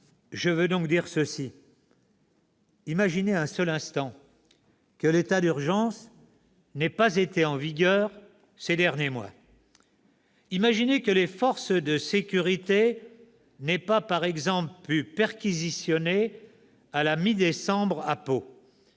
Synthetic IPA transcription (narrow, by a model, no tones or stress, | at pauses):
ʒəvød̪ɔ̃k̚d̪iʁsəsi | imaʒineɛ̃sœlɛ̃st̪ɑ̃ | kəlet̪ad̪yʁʒɑ̃s | nɛpazet̪eɑ̃viɡʲœːʁ | sed̪ɛʁnjemwa̰ | imaʒinekəlefɔʁsd̪əsekʲyʁit̪e | nɛpapaʁɛɡzɑ̃pplypɛʁkʲizisjɔne | alamid̪esɑ̃bʁapo